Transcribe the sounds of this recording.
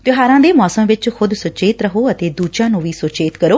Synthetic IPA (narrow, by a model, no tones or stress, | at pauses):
t̪ɪɦaːɾãːd̪eːmɔːsəmʋɪt͡ʃxʰʊd̪sʊt͡ʃeːt̪ɾəɦoːət̪eːd̪uːd͡ʒãːnũːʋiːsʊt͡ʃeːt̪kəɾoː